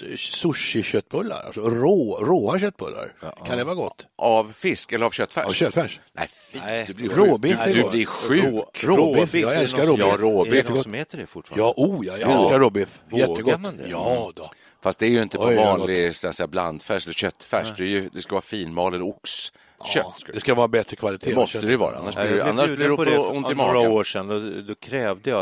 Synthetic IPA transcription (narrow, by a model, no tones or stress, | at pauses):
sʊʂɪɕœt̪ːbɵlːa̰ɾa̰lsɔɾoːɾoːaɕœt̪ːbɵlːa̰ɾkʰand̪ɛvaːɾɡɔt̪ːavfɪskɛlːəɾavɕœt̪ːfæ̰ɕœt̪ːfæʂnæ̰d̪lɪɾoːbɪɛɡd̪blɪɾɧʉ̟ɾoɪfjɑːɡɛlsskaɾɔɑɾoːbɪfɡɔheːt̪əɖɛfʊfjɑʔujɑɛlskaɾɔbɪfjɛːəɡɔd̪jɑd̪ | fast̪d̪ɛæɾjɵɪnt̪əvɑːnlɪsɛnsɛjːabla̰nd̪fæʂɛlːəɾɕœt̪ːfæʂd̪ɛæɾjɵd̪ɛskavɑːafiːnmɑːlɛləɾʊks | ɕœtːsd̪ɛskavɑːɾabɛt̪ɾəkʰvalɪt̪ʰemɔst̪əd̪ɛvɑ̰ːɾa̰a̰nːaʂɪɛ̰nːaʂblɪɾɛɔɔnt̪ɪmɑːɾoːʂɛnd̪ɔd̪ɔkʰɾɛːvd̪əja